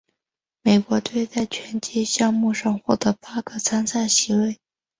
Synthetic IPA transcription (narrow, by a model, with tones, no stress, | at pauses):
me˨˩ɪkwɔ˧˥t̪we˥˧ɪt͡sa˥˩ɪt͡ɕʰɥɛ˧˥nt͡ɕɛ˥ɕjɑ˥˧ŋmu˥˧ʂɑ˥˧ŋxwɔ˥˩t̪ɤ˧˥pa˥ɡɤ˧t͡sʰa˥nsa˥˩nɕi˧˥we˥˩ɪ